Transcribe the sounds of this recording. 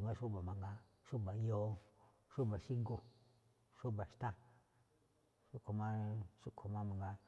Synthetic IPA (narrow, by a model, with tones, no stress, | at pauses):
ŋɡa˧ʃu˦˨ba˨ma˨ŋɡa˧ | ʃu˦˨ba˨jo˦ | ʃu˦˨ba˨ʃi˦ɡo˨ | ʃo˦˨ba˨ʃt̪a˦ | ʃu˦ko˨ma˦ʃu˦kʰo˨ma˦ma˨ŋɡa˧